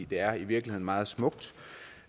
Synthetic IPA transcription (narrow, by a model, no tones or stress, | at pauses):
ḭːd̥e̝æɐiʋiɐɡ̥lihe̝ð̰ˠn̩mɑ̈ːð̞̩ˠsmɔ̽ɡ̥̚d̥